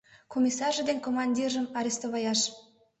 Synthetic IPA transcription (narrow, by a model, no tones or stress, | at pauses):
komʲisɑrʒəd̪enʲkomɑnʲdʲiʒə̆mɑɾʲist̪oβɑjɑʃ